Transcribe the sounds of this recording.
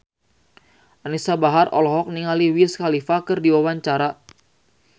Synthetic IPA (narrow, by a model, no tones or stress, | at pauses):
ʔanisabaɦarɔ̰lɔɦɔk̚niŋaliwiskalifakɨrdiwawaɲt͡ʃaɾa